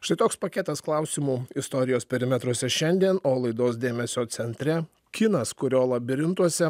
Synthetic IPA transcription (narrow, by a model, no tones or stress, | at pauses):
ʃt̪ɐɪt̪oːkspɐkʲɛˑt̪ɐsklˠɐˑʊsʲiːmuːɪst̪ɔɾʲɪjoːspʲɛɾʲɪmʲɛt̪ɾuɔsʲɛʃʲɛnʲd̪ʲiɛnoːlˠɐɪd̪oːsd̪ʲeːmʲɛsʲoːt̪sʲɛnʲt̪ʲɾʲɛ | kʲɪnɐskʊɾʲoːlˠɐbʲɪɾʲɪnt̪uɔsʲɛ